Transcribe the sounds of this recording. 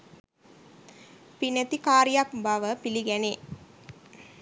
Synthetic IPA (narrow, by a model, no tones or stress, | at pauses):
pinæt̪ikaːɾijakbaʋəpiliɡæne